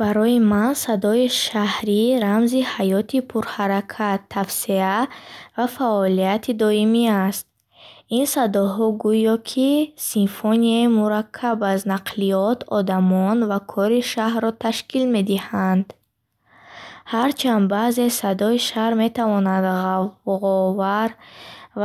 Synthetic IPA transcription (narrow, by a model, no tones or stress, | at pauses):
baɾɔimansad̪ɔiʃahɾiɾamzihajɔt̪ʰipʰuɾhaɾakʰat̪ʰːafsiavafaʔɔlijat̪ʰid̪ɔimiast̪̚ | insad̪ɔɦɔɡujɔkʰisinfɔniaimuɾakʰːabaznaqʰliɔt̪ʰɔd̪amɔnvakʰɔɾiʃahɾɔt̪ʰaʃkilme̞d̪ihand̪ | haɾt͡ʃʰand̪baze̞sad̪ɔiʃaɾme̞t̪ʰavɔnad̪ʁavʁɔvaɾ